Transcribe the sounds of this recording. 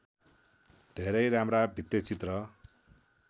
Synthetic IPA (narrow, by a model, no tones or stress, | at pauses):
d̪ʱeɾʌjɾamrabʱit̪ːjet͡sit̪rʌ